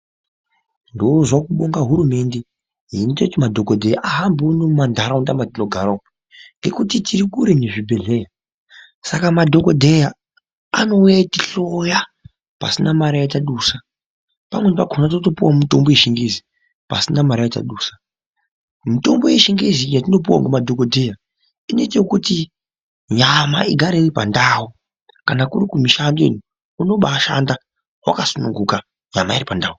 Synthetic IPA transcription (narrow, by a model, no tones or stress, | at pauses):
ndozwakuɓoŋɡaɦuɾume̞nde | ɦinitotimadʱokodʱejaʔaɦambonomandʱaɾaundamatinoɡʱaɾao | ŋɡe̞kutitʰiɾikuɾeneʐibʱeɮe̞ja | sakamadʱo̞kodʱe̞ja | ano̞ujaitiɬoja | pa̰sinamaɾajataɗuːsa | pamwenpaɡʱonatotopuwamito̞mbojeʃiŋɡezi | pa̰sinamaɾajeta̰ɗuːsḁ | mito̞mbojeʃiŋɡezijatino̞p̬uwa̰ŋɡumadʱokodʱeja | ino̞itajokuti | ɲama̰iɡʱaɾeiripa̰ndaːwu | kanakurikumiʃandḛni | uno̞ɓaːʃa̰nda | wa̰kasunuŋɡuka | ɲa̰mairipandaːu